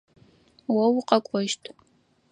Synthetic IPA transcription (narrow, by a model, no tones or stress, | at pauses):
wɐwqɐkʷʼɔʃtʰʼ